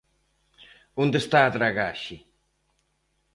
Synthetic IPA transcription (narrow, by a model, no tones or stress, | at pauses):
und̪est̪at̪ɾaɣaʃi